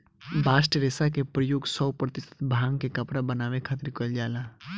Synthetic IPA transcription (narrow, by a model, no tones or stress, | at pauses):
baːsʈəɾeːsakepɾəjoːɡsɔwpɾət̪ɪsə̥t̪bʱaːŋkekɐpɽabənaːʋekʰaːt̪ɪɾkold͡ʒaːlaː